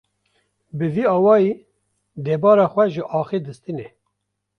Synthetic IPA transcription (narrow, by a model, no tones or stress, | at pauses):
bɨviːɑːwɑːjiː | d̪eːbɑːɾɑːxʷwɛʒəʔɑːxid̪ɨst̪ɨnɛ